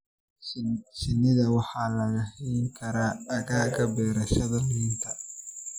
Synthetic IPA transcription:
ʃɪnːɪðɐwɑħaːlɐɣɐhijŋkʰɐɾaːɣaːkɐbɛːɾɐʃɐðɐmɪnt̪ʰɐ

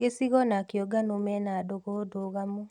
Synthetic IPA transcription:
esiɣɔnakjɔɡanomɛnadoɣodoɣamu

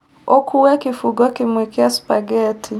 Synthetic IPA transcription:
ɔkʰuwɛkifuɡɔkimwɛkiaspaɡɛtʰi

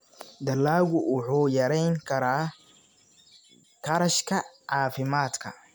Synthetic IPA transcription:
d̪ɐlːaːɣʊʊħuːjɐɾɛjŋkʰɐɾaː | kʰɐɾɐʃkʰɐʕaːfɪmaːd̪kʰɐ

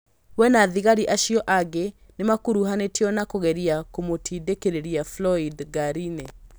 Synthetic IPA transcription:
wɛnaðiɣaɾiʔaʃiɔʔaɡe | nemakuɾuɦanetiɔnakoɣɛɾiakomotʰidekeɾeɾiaflɔidɡaɾine

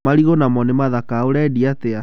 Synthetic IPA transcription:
maɾiɣonamɔnemaðakaoɾɛdiatea

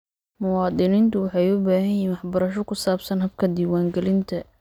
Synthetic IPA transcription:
mʊwɑːd̪ɪniːnt̪ʰʊwɑħɑjʊbaːhɐjjɛnwɑħbɐɾɐʃɔkʰʊsaːbsɐnɦɐbkʰɐd̪iːwaːŋɡɛlɪnt̪ʰɐ

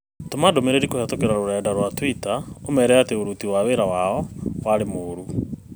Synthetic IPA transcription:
tomadomeɾeɾikohatokeɾaɾoɾɛːdaɾwatwitaomɛɾɛateoɾutiwaβeɾawaɔwaɾemoːɾu

